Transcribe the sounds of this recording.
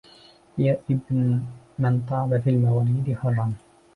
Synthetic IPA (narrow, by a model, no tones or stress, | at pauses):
jaʔɪbn | mɪnt̪ˤɑːbafiːlmawaːliːd̪ɪħʊlˤːɑn